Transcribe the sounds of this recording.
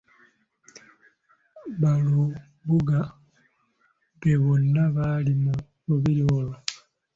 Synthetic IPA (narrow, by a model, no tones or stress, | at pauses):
βalu | βuɡa | βeβonːaβalimu | βuβiɾiolo